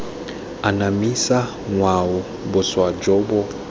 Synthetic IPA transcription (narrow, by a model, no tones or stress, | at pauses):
anamisa | ŋwaʊ | bʊswad͡ʒɔbɔ